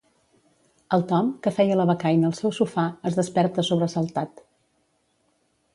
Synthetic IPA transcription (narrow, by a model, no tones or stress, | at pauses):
əlˠt̪ɔmkəfɛjələβəkajnəːlˠsɛwsufaəzðəspɛɾt̪əsoβɾəsəlˠt̪at̪